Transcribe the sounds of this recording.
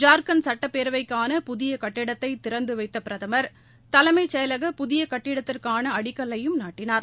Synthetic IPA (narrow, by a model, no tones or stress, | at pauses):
d͡ʒaːɾkɐnsɐʈːɐpːeːɾʋɐɪkːaːnɐpʊðɪjɐkɐʈːɪɽɐt̪ːɐɪt̪ɪɾɐnd̪ɯʋɐɪt̪ːɐpɪɾɐðɐmɐɾ | t̪ɐlɐmɐɪt͡ʃːɐjɐlɐɣɐpʊðɪjɐkɐʈːɪɽɐt̪ːɪrkaːnɐɐɽɪkːɐɭːɐjɯmnaːʈːɪnaːɾ